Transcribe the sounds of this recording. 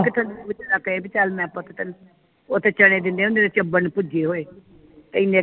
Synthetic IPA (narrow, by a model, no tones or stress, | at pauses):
kɪt̪ʰənd̪ebɪt͡ʃːɾakːeːbɪt͡ʃaːlmɛ̃ːpãt̪ʰet̪ən | oːt̪eːt͡ʃəɽ̃eːd̪ɪnd̪eːɦʊ̃nd̪eːd̪et͡ʃəbənpʊd͡ʒeːɦoːeː | t̪eɪnːeː